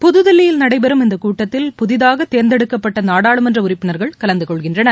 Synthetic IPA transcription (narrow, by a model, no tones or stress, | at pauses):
pʊðɯðɪlːɪjɪlnɐɽɐɪbɛɾɯmɪnd̪ɐkuːʈːɐt̪ːɪlpʊðɪðaːɣɐt̪ːeːɾnd̪ɛɽɯkːɐpːɐʈːɐnaːɽaːɭɯmɛndrɐʊrɪpːɪnɐɾɣɐɭkɐlɐnd̪ɯkɔɭɣɪndrɐnɐ